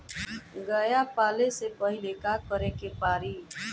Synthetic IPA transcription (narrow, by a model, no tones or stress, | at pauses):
ɡəjapaːlesepəɦɪlekakəɾekepaːɾiː